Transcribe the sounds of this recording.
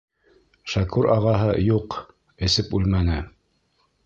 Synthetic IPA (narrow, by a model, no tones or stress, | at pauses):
ʃækʉɾɑʁɑɦɤjuq | ɘ̆sɘpʉlmænɘ